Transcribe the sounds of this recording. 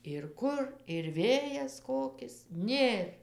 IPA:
ɪr ˈkʊr ɪr ˈʋʲeːjɛs ˈkoːkʲɪs ˈnʲeːr

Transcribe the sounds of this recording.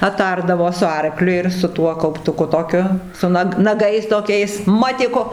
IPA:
ɐˈtɐrdɐʋoː sʊ ˈɐrklʲʊ ɪr sʊ ˈtuɔ kɐʊptʊˈkʊ toːˈkʲʊ sʊ ˈnɐk nɐˈɡɐɪs toːˈkʲɛɪs ˈmɑːtʲɪkʊ

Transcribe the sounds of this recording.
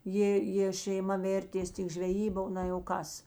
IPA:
ˈjeː jeː ʃʲɛɪˈmɐ ˈʋʲeːrʲtʲeːs tʲɪk ʒʲʋʲɛˈjiːbɐ ˈnɐ jɛʊ ˈkɐs

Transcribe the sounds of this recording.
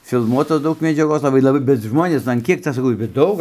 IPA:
fʲɪlˠˈmuɔtoːs ˈdɐʊk mʲɛd͡ʒʲɛˈɡoːs lˠɐˈbɐɪ lˠɐˈbɐɪ bʲɛt ˈʒmoːnʲeːs ɐn ˈkʲiɛk ˈt͡sʲɛ sɐˈkɐʊ bʲɛt ˈdɐʊk

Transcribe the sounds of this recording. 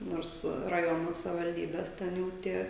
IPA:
ˈnoːrs rɐˈjoːnoː sɐʋʲɪʋɐlʲˈdʲiːbʲɛs ˈtʲɛn jɛʊ ˈtʲiɛ

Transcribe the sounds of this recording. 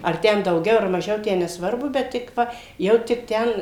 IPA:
ɐr ˈtʲɛn dɐʊˈɡʲɛʊ ɐr mɐˈʒʲɛʊ ˈtʲæː nʲɛsˈʋɐrbʊ ˈbʲɛt tʲɪk ˈʋɐ ˈjɛʊ tʲɪk ˈtʲɛn

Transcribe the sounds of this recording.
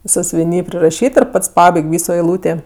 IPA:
sɑːsʲʊʋʲɪˈnʲiː pʲrʲɪrɐˈʃʲiːt ɪr ˈpɐts ˈpɑːbɐɪkʲ ˈʋʲiːsoː ɛɪˈlˠuːtʲeː

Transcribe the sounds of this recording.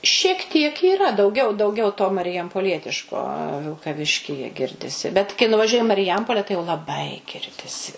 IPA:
ʃʲiɛk tʲiɛk iːˈrɐ dɐʊˈɡʲɛʊ dɐʊˈɡʲɛʊ toː mɐrʲɪjɛmpoːˈlʲiɛtʲɪʃkoː ʋʲɪlˠkɐˈʋʲɪʃʲkʲiːjɛ ˈɡʲɪrʲdʲɪsʲɪ bʲɛt kɐɪ nʊʋɐˈʒʲuɔjɪ ɪ mɐrʲɪˈjɛmpoːlʲɛ tɐɪ jɛʊ lˠɐˈbɐɪ ˈɡʲɪrʲdʲɪsʲɪ

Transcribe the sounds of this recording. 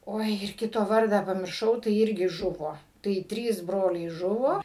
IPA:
ˈoːɪ ɪr ˈkʲɪtoː ˈʋɐrdɑː pɐmʲɪrˈʃɐʊ tɐɪ ˈɪrʲɡʲɪ ˈʒʊʋoː tɐɪ ˈtʲrʲiːs ˈbroːlʲɛɪ ˈʒʊʋoː

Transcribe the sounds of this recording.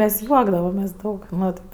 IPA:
ˈmʲɛs ˈjuɔɡdɐʋɐmʲeːsʲ ˈdɐʊk ˈmɐt

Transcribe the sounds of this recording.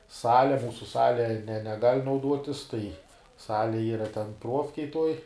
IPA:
ˈsɑːlʲɛ ˈmuːsʊ ˈsɑːlʲɛ nʲɛ nʲɛˈɡɐlʲ nɐʊˈduɔtʲɪs tɐɪ ˈsɑːlʲɛ ˈiːrɐ tʲɛn ˈpruɔfʲkʲɛj tuɔj

